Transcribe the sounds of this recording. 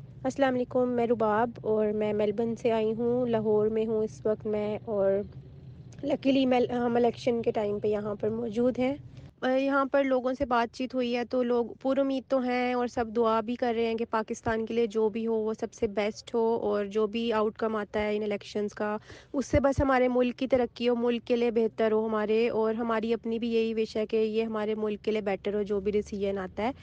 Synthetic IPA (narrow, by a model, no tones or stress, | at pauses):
ɐslaːmɐleːkʊmːɛ̃ːɾʊbaːbɔːɾmɛ̃ːmɛːlbənseaːiɦũlɐɦɔːɾmẽɦũɪsʋɐk̚t̪mɛ̃ʔɔːɾ | lɐkilimɛɦɐmɪlɛːkʃənkeʈaːɪmpejɐɦãpɐɾmɔːd͡ʒuːd̪ɦɛ̃ːjɐɦãpɐɾloːɡõsebaːt̪̚t͡ʃiːt̪ɦuiɦɛt̪oloːɡpuːɾʊmiːd̪̚t̪oɦɛ̃ɔːɾsɐbd̪ʊabʱikɐɾːəɦẽɦɛ̃kepaːkɪst̪aːnkelied͡ʒoːbʱiɦoʋosɐbsebɛːsʈɦoːɔːɾd͡ʒoːbʱiaːʊʈkɐmaːt̪aɦɛɪnɪlɛːkʃənskaʊsːebɐsɦɐmaːɾemʊlkːit̪ɐɾəkːioːmʊlkːeliebeɦt̪əɾɦoɦɐmaːɾeɔːɾɦɐmaːɾiɐpnibʱijeɦiʋɪʃɦɛkejeɦɐmaːɾemʊlkːeliebɛːʈəɾɦoːd͡ʒoːbʱiɾɪsiːd͡ʒənaːt̪aɦɛː